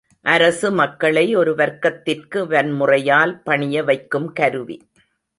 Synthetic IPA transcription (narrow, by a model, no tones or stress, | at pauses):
ʔɐɾɐsɯmɐkːɐɭɐɪɔɾɯʋɐɾkɐt̪ːɪrkɯʋɐnmʊrɐjaːlpɐɳɪjɐʋɐɪkːɯmkɐɾɯʋḭ